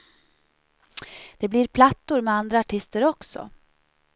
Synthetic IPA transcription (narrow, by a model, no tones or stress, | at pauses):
d̪̥ɛbliɾpʰlat̪ːʊɾmɛand̪ɾaːʈʰɪst̪əɾɔksɔ̰